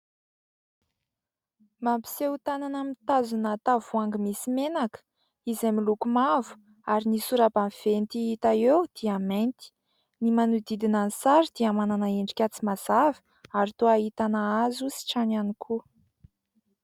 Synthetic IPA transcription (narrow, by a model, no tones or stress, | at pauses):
mampi̥seut̪ananamit̪azunat̪avuaŋɡəmisimenakə̥ | izamilukumavu̥ | aɾinisuɾabanv̥ent̪iit̪aewd̪̥iament̪i̥ | nimanud̪id̪inanisaɾid̪̥iamananaeɳɖ͡ʐi̥kʲat͡simaz̥avi̥ | aɾit̪oaɦit̪anaazusi̥ʈ͡ʂananikʰu